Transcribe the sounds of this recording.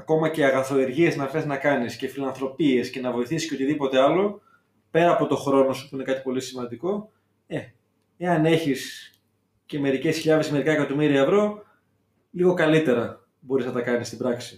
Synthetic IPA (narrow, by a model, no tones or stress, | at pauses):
ɐko̞mɐceɐɣɐθo̞eɾʝie̞znɐθe̞znɐkɐnisce̞filɐnθɾo̞pie̞sce̞nɐvo̞iθisisceot̪iðipo̞t̪e̞ɐlo̞ | pe̞ɾɐːpo̞t̪o̞xɾo̞no̞su̥puine̞kɐt̪i̥po̞lisimɐnd̪iko̞ | e̞ | eɐne̞çis | ce̞me̞ɾice̞sçiʎɐðe̞smeɾikɐekɐt̪o̞miɾiɐevɾo̞ | liɣo̞kɐlit̪e̞ɾɐ | bo̞ɾiznɐt̪ɐkɐnist̪ibɾɐksi